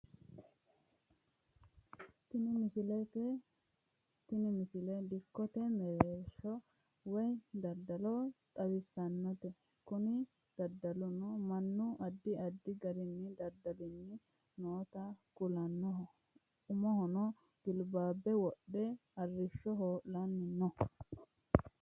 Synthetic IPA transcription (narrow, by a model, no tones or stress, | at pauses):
t̪ɪnɪmɪsɪlɛt̪ɛ | t̪ɪnɪmɪsɪlɛd̪ɪkːɔt̪ɛmɛɾeʃːɔ | wɔjd̪ɐd̪ːɐlɔt̪ʼɐwɪsːɐnːɔt̪ɛ | kʊnɪ | d̪̥ɐd̪ːɐlʊnɔmɐnːʊʔɐd̪ːɪɐd̪ːɪɡɐɾɪnːɪd̪ɐd̪ːɐlɪnːɪ | noːt̪ɐkʊlɐnːɔ | ʊmɔhɔnɔ | ɡ̥ɪlbaːbːɛwɔɗːɛɐrːɪʃːɔɦoːlɐnːɪnːɔ